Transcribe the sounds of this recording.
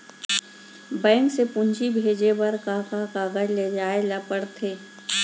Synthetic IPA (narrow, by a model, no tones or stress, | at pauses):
bɛ̃ːŋksepʊ̃ɲd͡ʒʱibʱeːd͡ʒewɐɾkaːkakaːɡəɾled͡ʒaːelɐpəɽt̪ʰeː